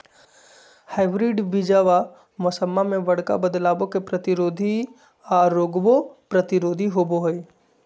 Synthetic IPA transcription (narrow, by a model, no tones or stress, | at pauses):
haɪbɾiɖbɪd͡ʒaːʋa | mɔsəmːamẽʋɐɽka̰bəd̪laːbõkepɾət̪ɪɾoːd̪ʱi | aːɾoːɡbopɾət̪ɪɾoːd̪ʱiɦoboɦoi